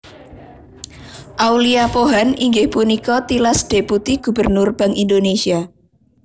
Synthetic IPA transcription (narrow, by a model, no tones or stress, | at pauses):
ʔawliapoɦaniŋɡɪhpunikɔt̪ilasd̥e̤put̪iɡ̥ṳbərnʊrb̥a̤ŋʔind̪onesia